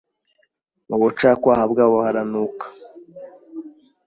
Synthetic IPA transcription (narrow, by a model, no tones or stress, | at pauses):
muβot͡ʃaːkwaːhabɡaːβoβahaɾanukḁ